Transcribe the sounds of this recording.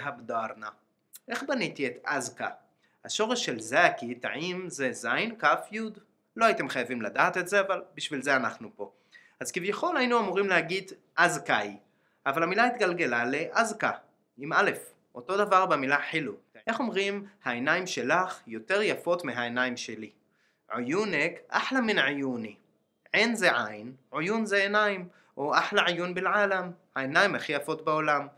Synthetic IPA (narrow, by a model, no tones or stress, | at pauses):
abdaʁna | ʔe̞χbanitiet̪a̰zka̰ | haʃo̞ʁeʃːe̞lzaakit̪a̰ʕimzezajnkafjud̪ | lo̞ait̪emχajavimlad̪aːt̪etze̞avalbiʃvilzeanaχnupo̞ | azkivjaχo̞lhainuamuʁimlehaɡid | ʔazkaj | ʔavalhamilait̪ɡalɡe̞laleʔazka | imale̞f | ʔo̞to̞d̪avaʁbemilaħiluteχo̞mʁimhaenaimʃe̞laχjo̞t̪e̞ʁjafo̞t̪meɦaenaimʃe̞li | ʕojunekʔa̰ħlaminʕajuni | ʕenzeʕajnʕojunzeenaim | ʔoʔaħlaʕajunbelʕalamhaenaimhaχijafo̞t̪̚beo̞lam